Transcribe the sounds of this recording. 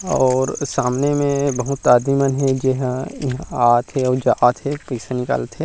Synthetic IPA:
ɔːɾsaːmnemẽbɐɦʊt̪ːaːd̪imənɦɛd͡ʒeɦãɦaːt̪ɦɛɔːɾd͡ʒaat̪ɦɛpɐɪsanɪka̰ːlət̪ɦɛ

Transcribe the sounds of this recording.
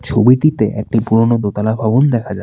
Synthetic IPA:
t͡ɕʰobiʈit̪eʔḛk̚ʈipuɾonod̪ot̪alabʱabond̪ɛkʰad͡ʑa

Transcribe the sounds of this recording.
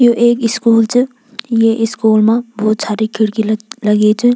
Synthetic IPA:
joʔeːkɪskuːlt͡ʃə | jeʔɪskuːlmãboːt̪t͡ʃʰaːɾikʰɪɽkilɐɡet͡ʃu

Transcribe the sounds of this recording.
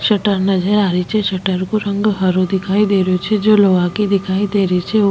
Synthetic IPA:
ʃɐʈəɾnɐd͡ʒəɾaːɾit͡ʃʰɛʃɐʈəɾkoɾɐ̃ŋɡɦɐɾod̪ɪkʰaːid̪eːɾjot͡ʃʰɛd͡ʒoːloːʋakid̪ɪkʰaːid̪eːɾəit͡ʃʰɛ

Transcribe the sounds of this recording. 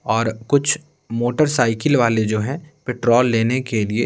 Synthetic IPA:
ɔːɾkʊt͡ʃʰ | moːʈəɾsaːɪkɪlʋaːled͡ʒoːɦɛ̃pɪʈɾɔːlːeːnekelie

